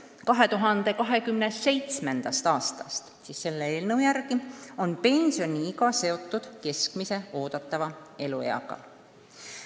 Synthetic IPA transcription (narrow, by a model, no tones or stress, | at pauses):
kɑɦe̞t̪uɦɑnd̪̥e̞kɑɦe̞kymnese̞jt̪sme̞nd̪̥ɑst̪ɑːst̪ɑ̥st̪siːsːe̞lːee̞ːlnɤwjærɡ̥io̞npe̞nʲsjo̞nʲiiɡɑse̞o̞t̪ːˑud̪̥ke̞skmise̞o̞ːd̪̥ɑt̪ːˑɑvɑe̞lue̞̰jɑ̰ɡ̥ɑ̰